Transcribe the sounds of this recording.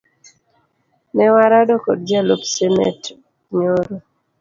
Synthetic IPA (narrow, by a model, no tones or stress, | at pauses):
nɛwaɾadɔko̰d̚d͡ʒalopsemɛ̰t | ɲoɾo